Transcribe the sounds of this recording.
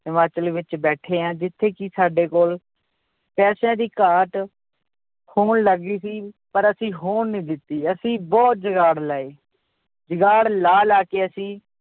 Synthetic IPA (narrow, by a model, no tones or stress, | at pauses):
ɪmaːt͡ʃəlʋɪt͡ʃbɛːʈʰeːãːd͡ʒɪt̪ʰːeːkisaːɖeːkoːl | pɛːsãːd̪iːkaːʈ | hoːɳləɡiːsiːpəɾəsĩːɦoːnːĩːd̪ɪt̪ːiːəsĩːbɔːt̪̚d͡ʒəɡaːɽlaːeː | d͡ʒəɡaːɽlaːlaːkeːəsĩː